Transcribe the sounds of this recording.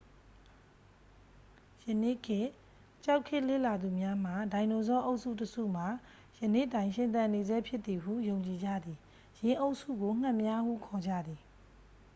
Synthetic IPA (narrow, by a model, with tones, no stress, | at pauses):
jə˨nḛ˦˨kʰɪ˦˨ | t͡ɕa˦ʊkʰːɪ˦˨ʔlḛ˦˨la˨d̪u˨mja˦m̥a˨dã˨ɪ̃no˨zɔ˦ʔo˦ʊʔsṵ˦˨təsṵ˦˨m̥a˨ | jə˨nḛ˦˨tã˨ɪ̃ʃɪ̃˨nt̪̬ã˨ne˨zɛ˦pʰjɪ˦t̪ːi˨ɦṵ˦˨jõ˨ʊ̃ɲt͡ɕi˨d͡ʑa̰˦˨d̪ði˨ | jɪ̃˨ʔo˦ʊʔsṵ˦˨ɡo˨ŋ̥ã˦˨mja˦hṵ˦˨kʰɔ˨d͡ʑä̰˦˨d̪ði˨